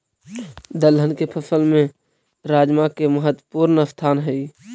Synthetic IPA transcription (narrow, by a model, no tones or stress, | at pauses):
d̪əlɦənkepʰəsəlmẽ | ɾaːd͡ʒmakeməɦət̪wəpuːɾnəsst̪ʰaːnɦɛi